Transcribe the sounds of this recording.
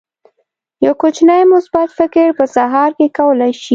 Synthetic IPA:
jawkot͡ʃnajmʊsbat̪fɪkɪɽpəsaɦɑɾkekawəlajʃi

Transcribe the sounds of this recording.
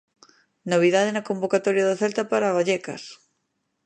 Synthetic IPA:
noβ̞iðaðenɐkombokat̪ɔɾjaðaθɛlt̪ɐpaɾaβaʎɛkɐ̰s

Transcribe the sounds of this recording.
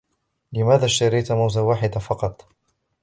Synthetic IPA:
lɪmaːðaːʃt̪aɾijt̪mawzawaːħɪd̪afɑqɑt̪ˤ

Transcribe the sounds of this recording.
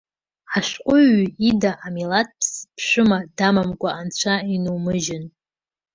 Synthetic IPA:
ħaʃqʷʼʊɥidaʔamilat̚ʼpʰspʰʂʷᶣɨmadamamkʷʼaːnt͡ɕʷʰainuwmɨʒɪn

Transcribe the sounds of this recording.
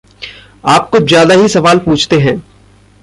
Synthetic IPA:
aːp̚kozjaːd̪aɦisɐʋaːlpuːt͡ʃʰt̪eɦɛ̃ː

